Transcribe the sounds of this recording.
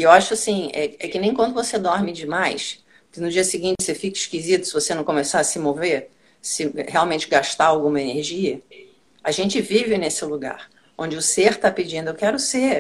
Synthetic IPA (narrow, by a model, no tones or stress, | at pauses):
ewaʃʊasĩɛ̰ɛkɪnẽj̃kwɐ̃nd̪ʊvosed̪ɔɾmɪd͡ʒɪmajs | kɪnʊd͡ʒiɐsɪɡĩnt͡ʃɪsefikɐiʃkizit̪ʊ̥sɪvosenɐ̃kõmesaɾɐsɪmove | sɪhealwmẽt͡ʃɪɡaʃt̪aawɡũmɐeneɾʒiɐ | aʒẽnt͡ʃɪvivɪnesɪluɡa̰ɾ | õnd͡ʒɪʊseɾt̪aped͡ʒĩnd̪ʊewkɛɾʊse